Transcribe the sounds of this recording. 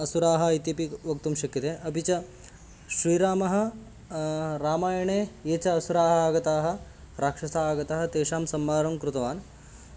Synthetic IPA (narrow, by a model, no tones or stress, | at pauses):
ɐsuɾaːɦɐ̆ɐjt̪jɐpiʋɐk̚t̪umʃɐkjɐt̪eːʔɐbʱit͡ʃɐ | ʃɾiːɾaːmɐɦɐ̆ | ɾaːmaːjɐɳeːeːt͡ʃɐɐsuɾaːɦɐaːɡɐt̪aːɦɐ̆ | ɾʔaːkʂɐsaːɡɐt̪ɐɦɐt̪eːʃaːmsɐmːaːɾɐmkɾut̪ɐʋaːn